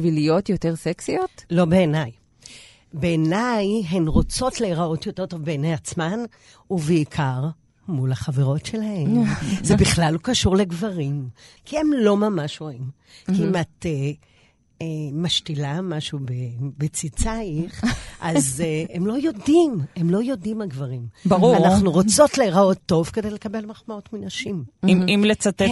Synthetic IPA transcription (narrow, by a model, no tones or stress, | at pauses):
vilijotjoteʁseksiotlo̞be̞ːnaj | beːnajɦenʁo̞t͡so̞tleiʁao̞tjote̞ʁt̪ovbeːnejat͡sman | uveikʰaʁ | mulaχaveʁo̞tʃe̞lahemzebiχlalukaʃuʁle̞ɡvaʁimkʰie̞mlo̞mamaʃʁoim | kiimate | emaʃtilamaʃubebet͡sit͡saiχʔazeemlo̞jo̞dimemlo̞jo̞dimaɡvaʁimbʁuanaχnuʁot͡so̞tle̞ʁao̞tːo̞vke̞de̞jle̞kabe̞lmaχmao̞tminaʃimimlet͡sat̪e